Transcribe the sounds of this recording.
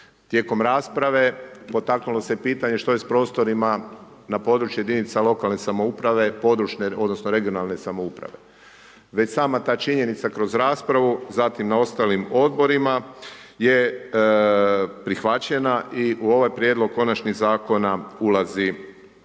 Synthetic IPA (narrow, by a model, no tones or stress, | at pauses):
t̪je̞ːko̞mɾaːspɾaʋe̞po̞t̪aknulo̞se̞piːt̪aɲe̞ʃt̪o̞je̞spɾo̞ːst̪o̞ɾima | napo̞ːd̪ɾut͡ʃjuje̞d̪init̪salˠo̞kalˠne̞samo̞upɾaʋe̞po̞d̪ɾut͡ʃneo̞d̪nosnoɾe̞ɡio̞nalne̞samo̞upɾa̰ʋe̞ | ʋe̞t͡ɕsaːmat̪aːt͡ʃiɲe̞nit̪sakɾo̞zɾaːspɾaʋuzat̪imnao̞st̪alimo̞d̪bo̞ɾima | je̞ | pɾixʋat͡ɕe̞naʔiʔuo̞ʋajpɾjed̪lˠo̞ɡ̚ko̞nat͡ʃniɣzaːko̞naulazi